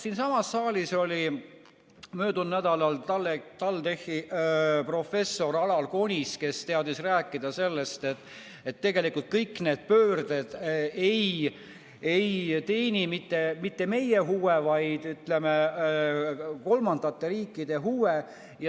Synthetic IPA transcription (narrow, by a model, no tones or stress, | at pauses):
siːnsɑmɑsːɑːliso̞lʲi | mø̞ːd̪̥unnæd̪ɑlɑllːet̪ɑlt̪e̞hipro̞fe̞sːo̞ɾɑlɑlko̞nʲiske̞st̪e̞ɑd̪isræːkːˑid̪ɑse̞lːe̞st̪et̪ː | et̪ːe̞ɡe̞likult̪̚kɤjkːne̞ːd̪̥̚pøːrd̪̥ed̪̥ej | ejt̪e̞ːnʲimit̪ːe̞mit̪ːe̞me̞jeɦuwevɑjd̪̥yt̪le̞me | ko̞lmɑnd̪̥ɑt̪ːe̞ɾiːkˑːid̪e̞ɦuwe | j